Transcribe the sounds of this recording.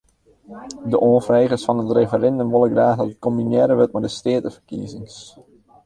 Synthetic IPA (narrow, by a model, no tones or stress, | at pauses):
dəʔoːnfrejχəsfɑnətrefəɾɛndəmʋolˠəkɡraːxdɑtət̚kombinjɛɾəʋøt̚mɛdəsteːtəfərkḭəzɪŋs